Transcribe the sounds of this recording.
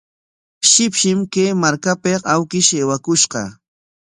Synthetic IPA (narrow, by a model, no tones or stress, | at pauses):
ʃɪpʃɪmkejmaɾkapeawkɪʃeːwakʊʃɢɑ̰